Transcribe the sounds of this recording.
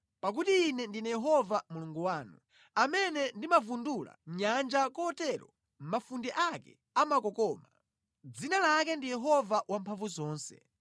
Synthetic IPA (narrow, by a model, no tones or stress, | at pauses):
pak̬utiːnɛndinɛjɛɦɔvamuluŋɡuwaːnu | amɛnɛndimavundula̰ɲand͡ʒakɔːtɛɾɔ̰ | m̩mafundɛʔakɛ | amakɔkɔːma | d͡zinalak̬ɛndijɛɦɔvawampʰaɱvuzɔːnsɛ̰